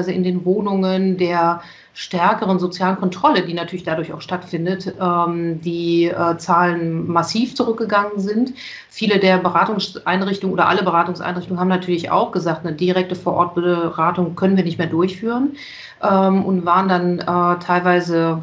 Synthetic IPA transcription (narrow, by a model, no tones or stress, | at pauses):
ɪzəɪ̰ndeːnvoːnʊŋəndeːɐ | ʃtɛɐkəʁənzot͡sjaːlənkʰɔntʁ̥ɔlədiːnatʰyɐlɪçd̥adʊɐça̰ʊxʃtatfɪndətʔɛːmdiːʔɛːt͡saːlənmasiːft͡suʁʏk̚ɡ̥əɡaŋənzɪnt | fiːlədeːɐbəʁaːtʊŋsʔaɪnʁɪçtʊŋnʔoːdɐ̰ʔa̰ləbəʁaːtʊŋsʔa̰ɪnʁɪçtʊŋənhaːbmnatʰyːɐlɪça̰ʊxɡ̥əzaːktnədiʁɛk̚təfoːɐʔɔɐt̚b̥əʁaːtʊŋkʰœnənviːɐnɪçtmeːɐdʊɐçfyːʁən | ʔɛːmʊntv̥aːʁəndanɛːtʰaɪlvaɪzə